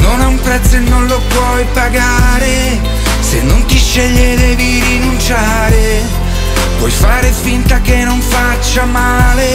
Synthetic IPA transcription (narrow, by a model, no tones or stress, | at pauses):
nonɛumpɾɛt̪sːoenːonlopwɔjpaɡaːɾe | senːont̪iʃːeʎːed̪ɛviɾinunt͡ʃaːɾe | pwɔjfaːɾespint̪akenːoɱfat͡ʃːamaːle